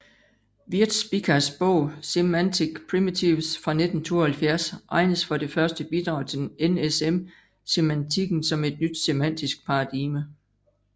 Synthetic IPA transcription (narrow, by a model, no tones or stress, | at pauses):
ʋiɐd̥sb̥ikʰɐsb̥ɔʊ̰semæn̰t͡sʰiɡ̥pʰʁimit͡sʰiʋsfʁɑ̈ne̝d̥n̩t͡sʰo̝̰ːɐhælfjæɐsɑ̈ɪnəsfɒ̽ɾe̝fɶɐsd̥əb̥id̥ʁɑ̈ʊ̰t͡sʰe̝denesem | se̝mænt͡sʰiɡ̥n̩sɒ̽me̝d̥nyd̥semæn̰d̥isɡ̥̚pʰɑ̈ɑ̈d̥iːmə